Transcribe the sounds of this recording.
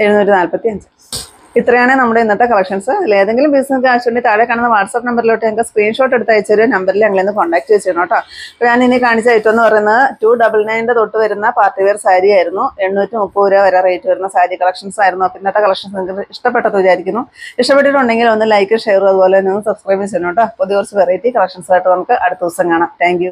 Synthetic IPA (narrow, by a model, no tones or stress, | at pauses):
eɾunːuːtːinaːlpɐt̪ːiɐɲd͡ʑɨ | it̪rɐjaːɳenɐmːuɽe̞inːɐt̪ːekɐlɐkʂɐnsɨilːeɐðe̞ŋɡilumbiːsink̬ːɨaːit͡ɕːʋɐɳɖit̪aːɽekːaːɳunːɐʋaːrʈsɐpːnɐmbɐɾiloʈːeɐŋkːɐskriːnʂo̞ːʈːe̞ɽut̪ːaːjit͡ɕːɐoɾunɐmbɐɾilɐŋːɐɭenːɨko̞ːɳɖaːk̚ʈːɨʋet͡ɕːinoːʈːaːpːoɲaːninikaːɳit͡ɕːaːjitːume̞nːɨpɐrɐjunːɐðɨtuːɖɐbɐlnɐjnde̞t̪o̞ʈːɨʋɐɾunːɐpaːrtːiʋersaːɾijaːjiɾunːue̞ɳːuːtːumupːɐoɾaːʋɐɾaːrejtːɨʋɐɾunːɐsaːɾikɐlɐkʂɐnsaːjiɾunːuapinːet̪ːakɐlɐkʂɐnsnɡiiʂʈɐpːe̞ʈːɐðɨʋid͡ʑaːɾikʲːunːuiʂʈɐpːe̞ʈ̬ːiʈːuɳɖe̞ŋɡilo̞nːɨlɐjkːɨʂejːruɐðɨpo̞ːlenionːɨsɐbskrɐjbit͡ɕejinoːʈːaːpoðiort͡ɕːɨperijiʈːikɐlɐkʂɐɳsaːjiʈːɨɐmɐkːɨʔɐɽut̪ːuɐsɐŋkaːɳɐmt̪ʰaːŋkju